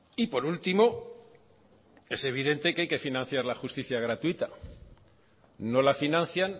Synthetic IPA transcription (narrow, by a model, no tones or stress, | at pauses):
ipo̞ɾult̪imo̞ | e̞se̞β̞iðe̞nt̪e̞keajke̞finãn̟θjaɾlaxust̪iθjaɣ̞ɾat̪uit̪a | no̞lafinãnθjan